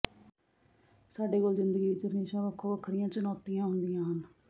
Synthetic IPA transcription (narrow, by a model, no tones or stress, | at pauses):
saːɖeːkoːlzɪnd̪əɡiːt͡ʃəɾəneːʃaːʋəkʰːõːəkʰːɾɪjãːt͡ʃənɔːt̪ijãːɦʊnd̪ijãːɦən